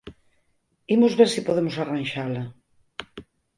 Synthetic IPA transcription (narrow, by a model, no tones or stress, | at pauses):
imozβeɾsipoðemosaranʃala